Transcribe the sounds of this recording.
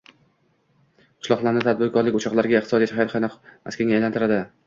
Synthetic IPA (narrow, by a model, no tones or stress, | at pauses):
qʰʊ̥ʃlˠɒχlˠaɾnɪt̪ʰad̪̚bɪɾkʰɒɾlɪkʲʊt͡ʃʰɒqlˠaɾɡʲaχt̪ɪsɒd̪ijat͡ʃʰhajt̪χanɪqma̰skʲʰaŋʲajlant̪ɪɾad̪ɪ